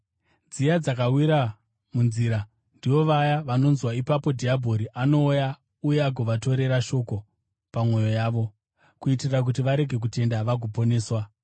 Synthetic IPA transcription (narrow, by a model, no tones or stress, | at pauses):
d͡zijad͡zakawiɾa | munziɾa | ndiʋo̞ʋajaʋano̞nzwaipapo̞dʱiabʱo̞ɾiʔano̞ːja | uje̞aɡʱoʋato̞ɾe̞ɾaʃo̞ko̞ | pamwo̞jo̞jaːʋo̞ | kuitirak̬utiʋaɾe̞ɡʱe̞k̬ute̞ndaʋaɡʱopo̞ne̞ːswa